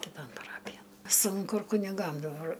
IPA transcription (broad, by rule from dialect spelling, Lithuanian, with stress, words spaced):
kʲɪˈtoːn pɐˈrɑːpʲɪjɛn ˈsʊŋkʊ ɪr kʊnʲɪˈɡɐm dɐˈbɐr